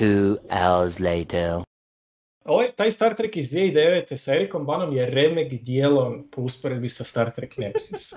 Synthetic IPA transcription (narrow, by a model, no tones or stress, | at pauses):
uːa̰ʊəzleɪtʰə | oojt̪aːjst̪aɾt̪ɾekizd̪vjeid̪eʋet̪esaeɾiko̞mbano̞mjeɾemeɡd̪jelˠonpʰo̞uspoɾe̞d̪̚bisast̪aɾt̪ɾeknet̪sis